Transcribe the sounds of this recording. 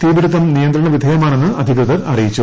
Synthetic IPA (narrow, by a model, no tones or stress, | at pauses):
t̪iːbiɽut̪ːɐmnijɐnd̪ɾɐɳɐʋid̪ʱɐjɐmaːɳe̞nːɨɐd̪ʱikɾɨðɐɾɐrijit͡ɕːu